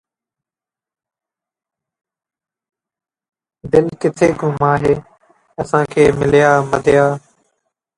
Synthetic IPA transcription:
d̪ɪlkɪt̪ʰeːɡʱʊmaːɦeː | əsãːkʰeːmɪlɪjaːməd̪ʱɪjaː

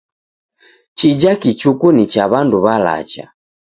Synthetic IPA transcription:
t͡ʃid͡ʒakit͡ʃukunit͡ʃaβanduβala̰t͡ʃa̰

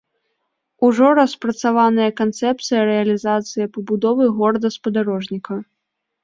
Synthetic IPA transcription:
uʐɔɾɐspɾɐt̪savanɨjɐkant̪sɛp̚t̪sɨjɐɾɛɐlʲizat̪sɨjɐpɐbud̪ɔvɨɣɔɾɐd̪ɐspɐd̪aɾɔʐnʲikɐ

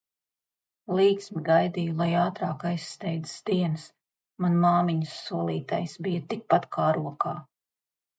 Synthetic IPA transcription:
lˠiːksmiɡajd̪iːjulˠajaːt̪ɾaːkajsːt̪ɛjd̪i̥sd̪iɛns | manmɑːmiɲəsːuɔlˠiːt̪ajsbijat̪ik̚pat̪kʰaːɾuɔkaː

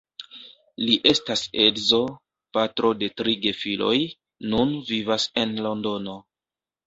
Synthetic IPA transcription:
liʔe̞stase̞dzo̞ | patɾo̞de̞tɾiɡe̞filʔo̞̰j | nunvivase̞nlo̞ndo̞no̞

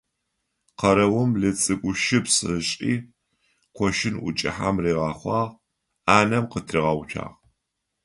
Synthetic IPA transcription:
qɐɾɐwʊmɮɨt͡sʼɨkʷʼʊʃɪpsɨɕʼiː | qʷʰɔʃɪnʔʊ̰t͡ʃʼɪ̰ħamreːʁɑːχʷɑːʁ | aːnɐmqətʰrɨʁɑwt͡ʃʰa̰ːʁ

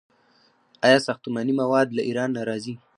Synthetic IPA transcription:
ɑjɑsaxt̪umanimawɑd̪laʔiɾɑnːaɾɑzi

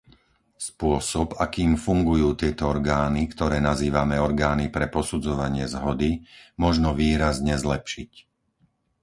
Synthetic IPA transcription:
spʊɔsɔbakiːmfuŋɡujuːt̪ɪɛt̪ɔɔɾɡaːnikt̪ɔɾɛːnaziːʋamɛɔɾɡaːnipɾɛpɔsud͡zɔʋaɲɪɛzɦɔd̪imɔʒnɔʋiːɾazɲɛzlɛpʃic

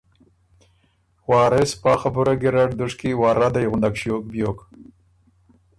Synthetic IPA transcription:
wɑːɾɪspɑːxabʊɾaɡɪɾaʈd̪ʊʂkiwɑːɾad̪ajɣʊnd̪akʃjok̚bjok

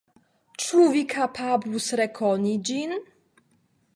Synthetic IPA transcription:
t͡ʂuvʲikʰapʰablusɾɛkʰɔnʲid͡ʑin

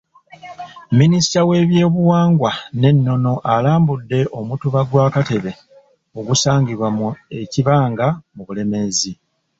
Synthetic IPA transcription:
minisi̥tawe̞ːβje̞ːβuwaːŋɡwane̞nːo̞no̞ʔalaːmbudːe̞ʔo̞mutuβaɡwaːkate̞βe̞ | o̞ɡusaːŋɡiβwamue̞ciβaːŋɡamuβule̞me̞zi

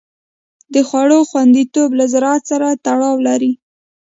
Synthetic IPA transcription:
d̪əxwaɽoxwand̪it̪oblazɾɑt̪saɾat̪aɽɑwlaɾi

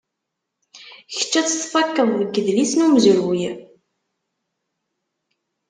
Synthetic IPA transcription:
çə̥t͡ʃːæt͡sːə̥sfɑkːəðˤðəɡːəðlisnumzʊɾwij

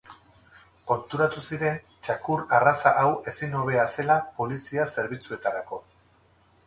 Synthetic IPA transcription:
ko̞nt̪uɾat̪usiɾe̞n | t͡ʃakuɾarasaʔawe̞sino̞β̞e̞ase̞lapo̞lisiase̞ɾβ̞it͡sue̞t̪aɾako̞

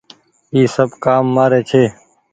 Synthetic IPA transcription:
iːsəbkaːmːaːɾeːt͡ʃʰeː

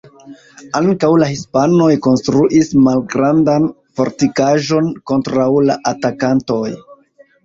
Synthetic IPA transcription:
aŋkawlahispano̞jko̞nstɾuʔismalɡɾandan | fo̞̰ɾtikaʒo̞nko̞ntɾawlaʔatakanto̞j

